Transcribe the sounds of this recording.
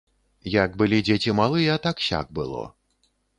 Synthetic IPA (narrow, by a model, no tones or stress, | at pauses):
jaɡbɨlʲid͡zʲet͡sʲimalˠɨjɛat̪akɕʲa̰ɡ̚bɨlˠɔ̰